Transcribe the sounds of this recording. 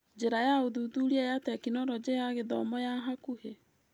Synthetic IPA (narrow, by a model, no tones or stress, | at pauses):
d͡ʑeɾajaoðuːðuɾiajatɛkinɔɾɔd͡ʑejaɣeðɔmɔjaɦakuhe